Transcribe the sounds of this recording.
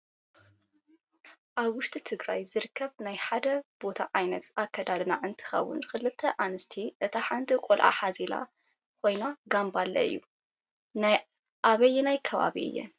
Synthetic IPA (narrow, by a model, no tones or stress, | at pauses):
ʔaβwʊʃt̪ʼit̪ʰɨɡɾajzɨɾkʰːɐβnajħad̪ɐb̥o̞t̪ʰaʕajnɐt̪akʰːɐd̪ad̪naʔɨnt̪ʰɨ̥xɐ̰wːʊ̰nkɨlɨt̪ʰːɐʔanɨst̪ʰiʔɨt̪ʰaħant̪ʰikʼɔlʕa̰ħazila̰ | kʰo̞jnaɡambalːɐ̰ɨ̰jːṵ | naj | ʔaβɐjnajkʰɐβa̰βiʔɨ̰jːɛ̰n